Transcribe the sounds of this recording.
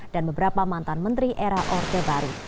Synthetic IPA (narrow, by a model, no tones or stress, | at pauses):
d̥anbəbəɾapamant̪anmənt̪ɾiʔeɾaʔɔrt̪ebaɾu